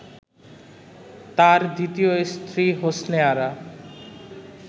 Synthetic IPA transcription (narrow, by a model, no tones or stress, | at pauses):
t̪aɾd̪it̪ijoest̪ʰɾiɦosneaɾa